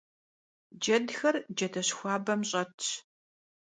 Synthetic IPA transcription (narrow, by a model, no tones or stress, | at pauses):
d͡ʒɐdxɐrd͡ʒɐdʰɐɕxʷɑːbɐmɕʼɐtʰ